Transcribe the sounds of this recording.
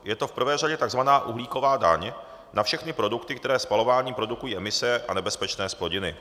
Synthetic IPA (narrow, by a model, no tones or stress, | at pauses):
jɛt̪o̞fpr̩vɛːraɟɛt̪aɡzvanaːʔuɦliːko̞vaːda̰ɲ | nafʃɛxnɪpɾo̞dukt̪ɪkt̪ɛɾɛːspalo̞vaːɲiːpɾo̞dukujiːʔɛmɪsɛʔanɛbɛspɛt͡ʃnɛːsplo̞ɟɪnɪ